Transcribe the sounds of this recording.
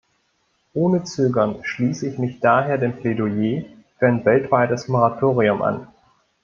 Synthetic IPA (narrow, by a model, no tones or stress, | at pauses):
ʔoːnət͡søːɡɐnʃliːsəɪçmɪçd̥aːɦeːɐdeːmpledojeː | fyːɐaɪnvɛltv̥aɪtəsmoʁatʰoːʁ̞iʊmʔa̰n